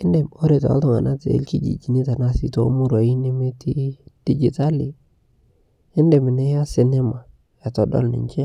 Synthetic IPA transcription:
ɪ˦ndɛ˨o˦ɾe˨ta̰˨˦ltɔ˦˨ŋa̰˨na˦tḛ˨˦lki˦d͡ʒḭ˨d͡ʒi˨ni˦ta˨na˦˨sḭ˦to˦mu˦ɾa˨i˦nɪ˦me˦ti˦d̥i˦d͡ʒi˨ta˦li˨ | ɪ˦nde˨mɪ˨ne˦ja˦sɪ˦nɛ˦ma˨ | ja˨tɔ˨dɔ̰˦lnɪ̰˨ɲt͡ʃe˦

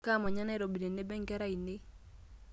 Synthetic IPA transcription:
ka˦˨mɔ˨ɲa˦na˦i˦ɾo˨bi˨ɾe˨ne˦bɛ˦ŋɡɛ˦ɾa˦˨i˨ne˦

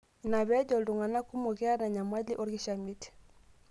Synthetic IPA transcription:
na˨βɛ˦ɟɔ˨ldu˨ŋa˨na˦ku˦mo˨ɡɛ˦a˦na˨ɲa˨ma˦li˦ʔɔ˦ɾɡi˦ʃa˨mi˦ti̥

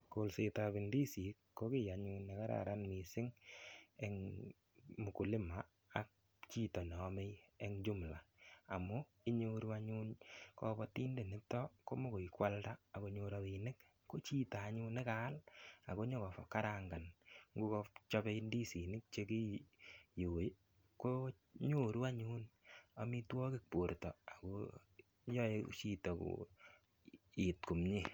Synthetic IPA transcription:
ko˨lse˨ta˨bi˨ndi˦si˨kːo˦kɪ˦ja˨ɲu˦ne˨ka˦ɾa̰˨ɾa˦nmi˨sɪ˦ŋ | e˦ŋ | mu˨ku˨lɪ˦ma˦ | a̰˨k̚ | t͡ʃi˦tɔ˨n˨ɔ˨˦me˦je˦ŋd͡ʒu˦m˨la˨a˨mu˦ | i˦ɲo˦ɾa˦ɲu˦nkɔ˦bɔ˦ti˦nde˨nɪ˨tɔ˦ko˦mo˦ko˨i˨kwa˦ldaː˦˨ko˨ɲo˦ɾa˧wi˨nɪ˦k | ko˦t͡ʃi˦taː˨ɲu˦nɪ˦ka˦la̰˨ko˦ɲɔ˦kɔ˨fa˨kːa˦ɾa˨ŋɡa˨nŋɡu˦kɔ˧t͡ʃɔ˦be˦i˦ndi˦si˨nɪ˦k̚t͡ʃe˧ki˦ju˨˦ | ko˦ | ɲo˦ɾu˦a˦ɲu˦na˨mi˦twɔ˦kɪ˦k̚po˨ɾtɔ˨a˨ko˦ | ɲɔ˦e˦t͡ʃi˦tɔ˨kṵ˨ | i˨tku˨mɲe˦

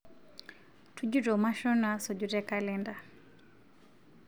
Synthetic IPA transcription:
tʰu˦d͡ʒu˦ɾɔ˨ma˦ʃɔ˦na˦sɔ˨d͡ʒu˨ɾɛ˦ka˦lɛ˦nda˨

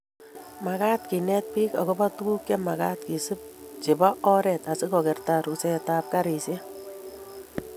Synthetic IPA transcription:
ma˨kaː˦t̚ki˨nɛt̚pi˦ka̰˨kɔ˦ba˦tu˦ɡu˦kɛma˨ka˦t̚ki˨sɯ˦p̚t͡ʃɪ˨ba˦ʔɔ˦ɾɛta˨sɪ˦kɔ˨kɛ˨rtaɾusɛtaːp̚kaɾi˨sje˦

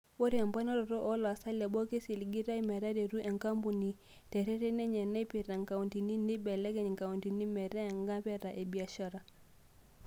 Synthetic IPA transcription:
wɔ˦ɾi˦a˨mba˦nɔ˦ɾɔ˨ɾɔ˦ʔɔ˦lwa˨sa˦lɛ˨ɓɔ˦ke˦si˨li˨ɡi˦ɾa˦i˦mɛ˨ɾa˦dɛ˨ɾu˦ʔɛ˨ŋka˦mpu˨ni˨ | tɛ˨ɾɛ˦ɾɛ˦nɛ˦ɲɛ˨na˦i˦pi˨ɾa˨ŋka˨u˨nti˨ni˦ni˦bɛ˨lɛ˦kɛ˦ɲi˨ŋka˨u˨nti˨ni˦mɛ˨ɾɛ˦ɛ˨ŋɡa˦pɛ˦ɾa˨ʔɛ˨bi˨a˨ʃa˦ɾa˨

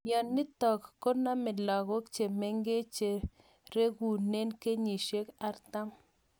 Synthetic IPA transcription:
jɔ˨nːɪ˦tɔ˨kkːo˦na˦mɪ˨la˨ɣo˦kt͡ʃe˨me˦ŋɡe˦t͡ʃe˨ | ɾe˦ɡu˨ne˦nke˦ɲi˨ʃe˦ka˨˦ɾt̪a˦m

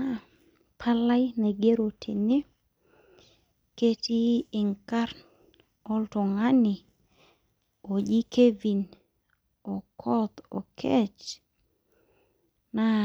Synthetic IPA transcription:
a˦ | pʰa˦la˦jne˨ɡe˦ɾo˨tʰḛ˨ne˦ | ke˦ti˦ɪ˨ŋka˦ɾn | ɔ˦ltɔ˨ŋa˦nɪ˨ | o˨d͡ʒi˦kʰe˦vi˨n | ɔ˨kʰɔ˦t̪ɔ̰˨kʰɛ˦t͡ʃ | na˦

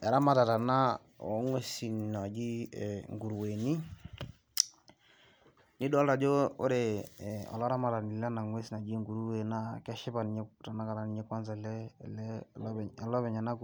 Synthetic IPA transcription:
ɛ˨ɾa˦ma˨ta˨ta˨na˦ | ɔ̰˨˦ŋwe˦si˨nna˨d͡ʒi˦˨ŋɡu˨ɾwe˨ni˦ | ni˦dɔ˦lda˨d͡ʒo˦o˦ɾe˨ɔ̰˨lɔ˦ɾa˦ma˨ta˨ni˨lɛ˦na˨ŋwe˦si˨na˨d͡ʒi˦ŋɡu˨ɾu˦we˨na˦kɛ˦ʃɪ˦pa˨ni˨ɲe˦ta˨na˦ka˨ɾa˨ni˨ɲe˦kwa˦nzɛ˨lɛ˦lɛ˦lɛ˨lɔ˦βɛ˨ɲa˨na˦k

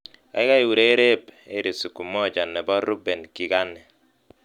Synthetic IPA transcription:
a̰˨i˦ka˦i˨wu˨ɾe˦ɾe˦be˦ɾi˨su˨ku˨mɔ˦˨d͡ʒa˨nːɛ˨bɔ˦ɾu˦bɛ˨nki˨ɡa˦nːɛ˨

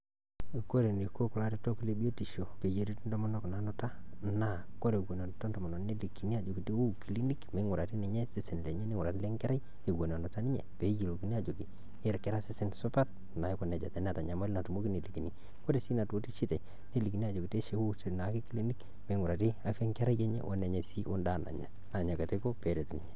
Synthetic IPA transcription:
ko˦ɾe˨ni˨ko˦kʊ˨la˦˨ɾi˦to˦ku˦le˦bi˦o˦ti˨ʃo˨pe˨je˨ɾi˦ti˦ndɔ˦mɔ˦nɔ˦ku˨na˨nʊ˦ta˦ | na˨ | ko˦ɾe˨kwo˨na˨nʊ˨ta˦ndɔ˨mɔ˨nɔ˨ne˦li˨kːi˨ni˦a˨d͡ʒo˨ki˨te˦u˦ki˨li˦ni˦kme˨˦ŋʊ˨ɾa˨ti˦nɛ˨ɲɛ˦sɪ˦sɪ˨n˨le˨ɲɛ˦nɪ˦ŋʊ˨ɾa˨ti˦le˦ŋkɛ˦ɾa˦ | e˨ɡo˨na˨nʊ˨ta˦ni˦ɲɛ̰˨pe˨˦je˨lo˨ki˨ni˦a˦˨d͡ʒo˨ki˨ | e˦ɾkɛ˦ɾa˦sɪ˦sɪ˦nsʊ˦pa˦t̚ | na˨ɪ˦kɔ˨nɛ˨d͡ʒa˨tɛ˨˦n˦a˨ta˨ɲa˨˦ma˦lɪ˦na˨tu˨mo˦ki˦ne˨li˨ki˨ni˦ | kɔ˦ɾe˨si˦na˨to˨˦ti˦ʃɪ˦tɛ˨ | ne˦li˨k̬i˨ni˦a˨d͡ʒo˨ki˨te˦ʃe˦wo˦te˨na˨ki˦ki˦li˦ni˦k | me˨˦ŋʊ˨ɾa˨ti˦a˦fe˦ŋkɛ˦ɾa˦jɛ˦ɲɛ̰˦ʔɔ̰˦nɛ˨ɲɛ˨si˦ʔo˦nda˦na̰˨ɲa̰˨ | na˨ɲa˨ka˨te˦ko˦pɛ˨˦ɾe˨tnɪ˨ɲɛ˨

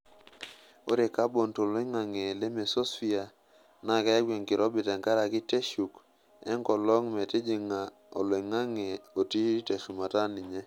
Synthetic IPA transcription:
o˦ɾe˨ka˦bo˨nto˨le˦ŋa˨ŋe˨le˦me˨so˦sfi˦a˨ | na˦˨kɛ˦ɡwe˨ŋkɪ˨ɾɔ˦bi˨tɛ˨ŋka˦ɾa˨kɪ˦te˦ʃu˨k | ɛ̰˦ŋkɔ˨lɔ˦ŋmɛ˨te˦d͡ʒi˨ŋa˨ | o˨lwe˨ŋa˦ŋe˨o˨ti˦te˨ʃu˨ma˨ta˦ni˨ɲe˦

